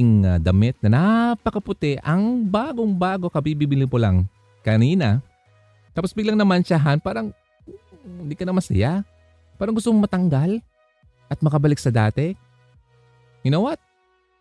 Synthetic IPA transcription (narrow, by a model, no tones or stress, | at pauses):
ŋɐd̪ɐmɪt̪̚nɐnapɐkɐpʊt̪ɛʔɐŋbaːɡoŋbaːɡo̞kɐbibibɪlɪŋpolaŋ | kɐniːna | t̪aːposbɪɡlaŋnɐmɐnt͡ʃaɦanpaːɾɐŋ | ɪnd̪ikɐnɐmɐsɐ̰ja | paːɾɐŋɡʊst̪omŋmɐt̪ɐŋɡal | ʔɐt̪̚mɐkɐbɐlɪksɐd̪aːt̪ɛ | ɡɪnowat̪̚